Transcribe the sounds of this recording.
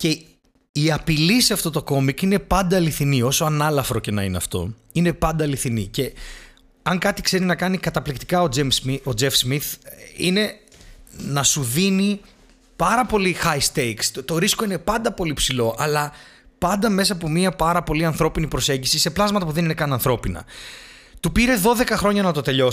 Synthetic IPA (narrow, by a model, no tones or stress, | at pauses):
ce̞ | iɐpiliseɐft̪o̞t̪o̞ko̞mikine̞pɐnd̪ɐːliθinio̞soɐnɐlɐfɾo̞ce̞nɐ̰ineɐ̰ft̪o̞̰ | ine̞pɐnd̪ɐːliθinice̞ | ɐŋkɐt̪ikse̞ɾinɐkɐnikɐt̪ɐplikt̪i̥kɐoesio̞d͡zefsmiθine̞ | nɐsuðini | pɐɾɐpo̞lixɐjst̪ejkst̪o̞ɾisko̞ine̞pɐnd̪ɐpo̞lipsilo̞ʔɐlɐ | pɐnd̪ɐme̞sɐːpo̞miɐpɐɾɐpo̞liɐnθɾo̞pinipɾo̞se̞ɲɟisise̞plɐzmɐt̪ɐpuðe̞ninekɐnɐnθɾo̞pinɐ̰ | t̪upiɾe̞ðo̞ðe̞kɐxɾo̞ɲɐnɐt̪o̞t̪e̞ʎo